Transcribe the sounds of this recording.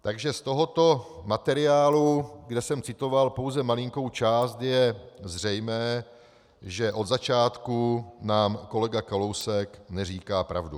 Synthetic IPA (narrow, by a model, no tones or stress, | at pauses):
t̪aɡʒɛst̪o̞ɦo̞t̪o̞mat̪ɛɾɪaːluɡdɛsɛmt͡sɪt̪o̞valpo̞wzɛmalɪŋko̞wt͡ʃaːst̪jɛzr̝ɛjmɛː | ʒɛʔo̞d̪zat͡ʃaːt̪kunaːmko̞lɛɡakalo̞wsɛknɛriːkaːpɾa̰vdu